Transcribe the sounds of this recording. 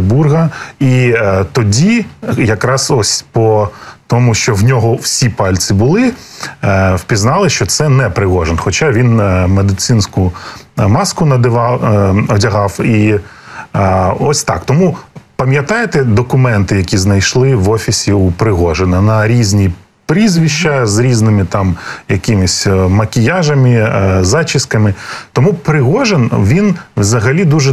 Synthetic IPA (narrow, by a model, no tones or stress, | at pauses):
burɦɐit̪ɔdʲijɐkɾɑsɔsʲpɔt̪ɔmʊʃt͡ʃɔwnʲɔɦɔwsʲipɑlʲt̪sʲɪbʊlˠɪ | wpʲiznɑlˠɪʃt͡ʃɔt̪sɛnɛpɾɪɦɔʒenxɔt͡ʃɑʋʲinmed̪ɪt̪sɪnsʲkʊ | mɑskʊnɐd̪ɪʋɑɐdʲɐɦɑwi | ɔsʲt̪ɑ̰kt̪ɔmupɐmʲjɐt̪ɑjet̪ɛd̪ɔkʊmɛnt̪ɪjɐkʲiznɐjʃlˠɪʋɔfʲisʲiupɾɪɦɔʒenɐnɐɾʲizʲnʲi | pɾizʲʋʲiʃt͡ʃɐzɾʲiznɪmɪt̪ɑmjɐkɪmɪsʲmɐkʲɪjɑʒɐmɪzɑt͡ʃɪskɐmɪt̪ɔmupɾɪɦɔʒenʋʲinwzɐɦɐlʲid̪uʒɛ